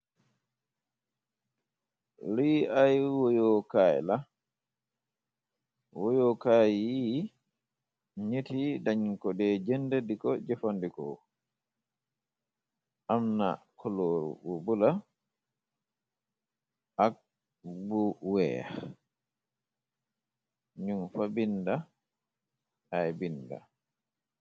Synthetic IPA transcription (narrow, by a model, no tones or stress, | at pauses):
ɾiajwɔjɔkaj̰la | wɔjɔkaji | ɲetidaɲiŋkɔdɛːd͡ʒɛndɛdikɔd͡ʒɛfandikɔ̰ | ʔamna̰kʰɔloɾṵbubula | ʔak̚ | buwɛ̰ | ɲumfabinda | ajbinda̰